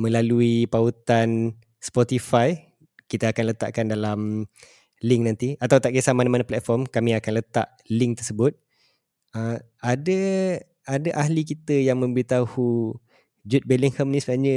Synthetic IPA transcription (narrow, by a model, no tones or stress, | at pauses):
mə̃laluipaut̪an | spɔt̪ifaj | kit̪aakanlət̪a̰ʔkandalam | liŋnant̪iat̪awt̪aʔkiasamanamanaplɛt̪̚fɔrmkamĩakanlət̪a̰ʔ | liŋ̚t̪ərsəbʊt̪̚ | ə | adə | adaʔaɦlikit̪əjaŋmə̃mbəɾit̪ahu | d͡ʒut̪̚bɛliŋhəmnĩsəbənaɲə